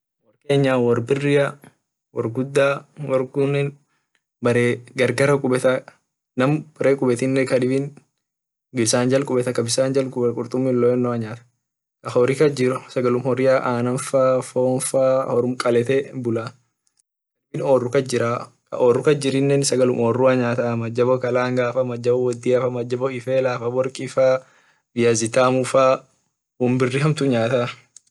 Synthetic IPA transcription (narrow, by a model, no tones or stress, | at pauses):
wɐɾke̞ːɲːaːwɔɾbɪrːɪja | wɔ̰ɾɡʊd̪ːaːwɐɾɡʊnːɛn | bɐɾeːɡɐɾɡɐɾɐkʼʊbɛt̪ɐ | nɐmb̥ɐɾeːkʼʊbɛt̪ɪnːɛkɐd̪ɪbin | ɡɪbsaːɲd͡ʒɐlkʼʊbɛt̪ɐkɐbɪsaːnd͡ʒɐlkʼʊbkʼʊɾt̪ʼʊmːɪnlɔɛnːɔɐɲaːt̪ɐ̥ | kɐhoːɾɪkɐd͡ʒɪɾʊsɐɡɐlʊmhɔɾɪjaːʔaːnɐnfaːfoːnfaːhɔɾʊmkʼɐlɛt̪ɛbʊlaː | ɐlmɪnoːrːʊkɐd͡ʒɪɾaː | kɐ̰ʔoːrːʊkɐd͡ʒɪɾɪnːɛnsɐɡɐlʊmʔɔːrːuɐɲaːt̪ɐmɐd͡ʒːɐbɔkɐlaːŋɡaːfɐmɐd͡ʒːɐbɔwɔd̪ːiːɐfɐmɐd͡ʒːɐbɔɪfeːlaːfɐwɔɾkʼɪfaː | bɪjɐzɪt̪aːmʊfaː | hʊmbɪrːɪɦɐmt̪ʊɲaːt̪a